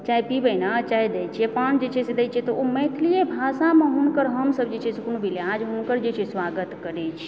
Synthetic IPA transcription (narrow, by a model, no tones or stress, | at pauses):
t͡ʃaipibəjnat͡ʃaid̪ɛt͡ʃʰiɛpand͡ʒet͡ʃʰɛsed̪ɛjt͡ʃʰɛt̪ɔomə̃t̪ʰlijebʱasãmeɦunkəɾɦəmsəbd͡ʒet͡ʃʰɛsekonobʱilead͡ʒɦunkəɾd͡ʒet͡ʃʰɛsʋaɡət̪kəɾɛt͡ʃʰi̥